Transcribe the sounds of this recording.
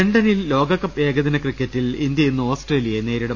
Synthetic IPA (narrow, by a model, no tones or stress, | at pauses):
eɳɖɐnilːo̞ːɡɐkːɐpːe̞ːɡɐðinɐkrikːɐtːilind̪jɐjinːuo̞ːsʈreːlijɐenːeːɾiɽɐ